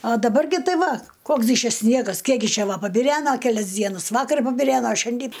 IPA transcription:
ɐ dɐˈbɐr ɡʲɪ ˈtɐɪ ˈʋɐ ˈkoːks ɡʲɪ ˈt͡ʃʲɛ ˈsʲnʲiɛɡɐs ˈkʲiɛk ɡʲɪ ˈt͡ʃʲɛ ˈʋɐ pɐbʲɪˈrʲæːnɐ kʲɛˈlʲɛs ˈdʲiɛnɐs ˈʋɑːkɐr pɐbʲɪˈrʲæːnoː ˈʃʲɛnʲdʲiː

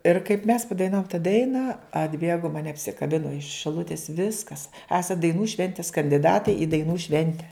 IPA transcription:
ɪr kɐɪp mʲɛs pɐdɐɪˈnɑːʋʊm tɐ ˈdɐɪnɐ ɐdʲˈbʲeːɡoː mɐˈnʲɛ ɐpʲsʲɪkɐˈbʲɪnoː ɪʃ ʃʲɪˈlˠʊtʲɪs ˈʋʲɪskɐs ˈæːsɐt dɐɪˈnuː ˈʃʲʋʲɛnʲtʲɪs kɐnʲdʲɪˈdɑːtɐɪ ɪ dɐɪˈnuː ˈʃʲʋʲɛnʲtʲɛ

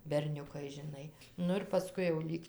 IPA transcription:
bʲɛrʲˈnʲʊkɐɪ ʒʲɪˈnɐɪ ˈnʊ ɪr pɐˈskʊɪ jɛʊ ˈlʲiːk

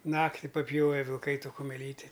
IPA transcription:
ˈnɑːktʲɪ pɐˈpʲjoːʋʲɛ ʋʲɪlˠˈkɐɪ ˈtoː kʊmʲɛˈlʲiːtʲɪ

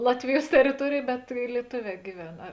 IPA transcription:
ˈlˠɑːtʲʋʲɪˌjuɔs tʲɛrʲɪˈtuɔrʲeːj bʲɛt ɪ lʲiɛˈtoːˌʋʲɛː ɡʲɪˈʋʲɛn ˈɐ

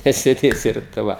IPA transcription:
nʲɛsʲeːˈdʲeːsʲɪ ɪr tɐɪ ˈʋɐ

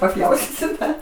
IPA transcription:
pɐˈpʲjɛʊsʲtʲiːsʲʊ ˈdɐr

